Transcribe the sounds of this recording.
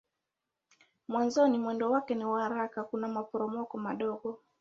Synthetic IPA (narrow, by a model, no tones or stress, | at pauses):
mwanzɔnimwɛndɔwakɛniwahaɾakakunamapɔɾɔmɔkɔmaɗɔɠɔ